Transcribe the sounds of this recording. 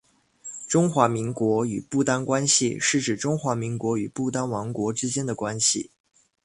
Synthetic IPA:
ʈ͡ʂʊ˥ŋxwa˧˥mi˧˥ŋkwɔ˧˥y̰˨˩pu˥˩t̪a˥nkwa˥nɕḭ˧˨ʂɻ̩˥˩ʈ͡ʂɻ̩˨˩ʈ͡ʂʊ˥ŋxwa˧˥mi˧˥ŋkwɔ˧˥y˨˩pu˥˩t̪a˥nwɑ˧˥ŋkwɔ˧˥ʈ͡ʂɻ̩˥t͡ɕjɛ˥nd̪ə˨kwa˥nɕḭ˨˩

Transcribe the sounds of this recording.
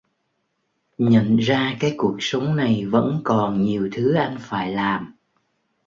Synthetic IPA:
ɲə̰˧˨nzaː˧kaː˨˦jku˨˩ək̚sə˨˦wŋ͡mna˨˩jvə̰˧˥nkɔ˨˩nɲi˨˩əwt̪ʰɨ˨˦ʔa˧jŋ̟faː˧˩jlaː˨˩m

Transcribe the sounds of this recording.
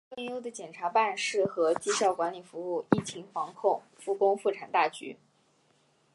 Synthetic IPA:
fə˥˩njo˥ʊd̪ə˨t͡ɕjɛ˨˩nʈ͡ʂʰa˧˥pa˥˧nʂɻ̩˥˩xɤ˧˥t͡ɕi˥ɕjɑ˥˩ʊkwa˧˥nli˨˩fu˧˥u˥˧i˥˩t͡ɕʰi˧˥ŋfɑ˧˥ŋkʰʊ˥˧ŋ | fu˥˩kʊ˥ŋfu˥˩ʈ͡ʂʰa˨˩nt̪a˥˩t͡ɕy̰˧˥

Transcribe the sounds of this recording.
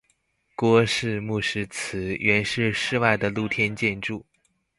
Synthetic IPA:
kwɔ˥ʂɻ̩˥˧mu˥˩ʂɻ̩˥t͡s̩ʰ˧˥ɥɛ˧˥nʂɻ̩˥˧ʂɻ̩˥˧wa˥˩ɪd̪ə˩lu˥˩t̪ʰjɛ˥nt͡ɕjɛ˥˧nʈ͡ʂu˥˩

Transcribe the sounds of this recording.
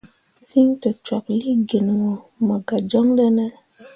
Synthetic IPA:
fi˦ŋtɔ˨t͡ʃa˨k̚li˦ɡe˨nŋo˨ma˨ɡa˨d͡ʒɔ˦ŋɗɛ˦nɛ˦

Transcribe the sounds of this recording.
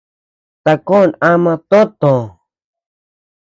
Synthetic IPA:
t̪a˨ko˦na˦mãt̪o˦t̪õ˨

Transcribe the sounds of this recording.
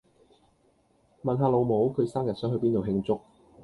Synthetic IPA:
mɐ˨nɦaː˨˧lo˨˧wmo˨˥wkʰɵ˨˧ɥsaː˥mjɐ˨t̚sœː˨˥ŋɵ˨˧piː˥nt̪o˨wɦɪ˧ŋt͡sʊ˥k̚

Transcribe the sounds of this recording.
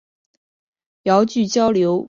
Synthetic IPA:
jɑ˧˥ʊt͡ɕy˥˩t͡ɕjɑ˥ʊljo˧˥ʊ

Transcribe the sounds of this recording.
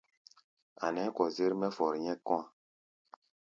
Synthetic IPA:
a˨nɛ˨˦kɔ˨ze˦ɾmɛ˦fɔ˨ɾɲɛ˦kɔ̃˦ã˨

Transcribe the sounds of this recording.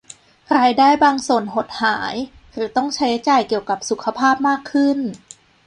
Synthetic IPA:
ɾaː˧jdaː˥˩jbaː˧ŋsu˨˩ənɦo˨˩t̪̚haː˩˦j | ɾɯː˩˦t̪ɔ˥˩ŋt͡ɕʰa˦ja˧˦t͡ɕaː˨˩jki˨˩əwka˨˩p̚su˨˩kʰa˧pʰaː˥˩p̚maː˥˩kʰːɯ˥˩n

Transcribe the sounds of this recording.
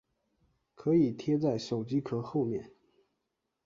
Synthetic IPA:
kʰɤ˧˥i˨˩t̪ʰjɛ˥t͡sa˥˩ɪʂo˨˩ʊt͡ɕi˥kʰɤ˨˧˩xo˥˧ʊmjɛ̰˥˩n

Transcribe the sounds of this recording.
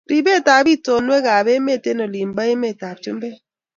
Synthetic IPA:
ɾi˨be˦˨ta˨bi˦to˨nwe˦ɡa˨be˦me˦˨te˦no˨li˨m̩˨ba˦e˦me˦˨ta˨p̚t͡ʃu˦m̩˦be˦

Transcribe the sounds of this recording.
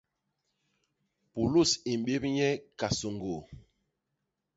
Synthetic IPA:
pu˨lu˦˨si˨m̩˨ɓe˦p̚ɲɛ˦ka˨so˨ŋɡo˨

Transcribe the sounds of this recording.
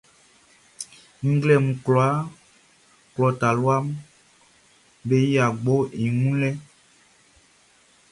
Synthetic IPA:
ŋ̩˦ɡlɛ˦˨mũ˨klɔ˨a˨˦ | klɔ˨ta˨lu˦a˦mu˦ | be˦ja˨ɡ͡bo˦i˨ŋũ˦lɛ˦

